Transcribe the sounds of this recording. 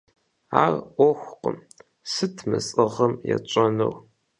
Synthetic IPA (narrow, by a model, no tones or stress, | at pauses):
aːrʔʷɔxʷqəm | sɨtʰmɨsʼɨʁəmjɛt͡ʃʷʼɐnɨ̰w